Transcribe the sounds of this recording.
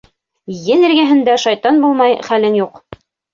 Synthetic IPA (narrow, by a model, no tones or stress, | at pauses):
jɘnɘ̆ɾɡæɦɘ̆nd̪æʃɑjt̪ɑnbulˠmɑjχælɘnjuq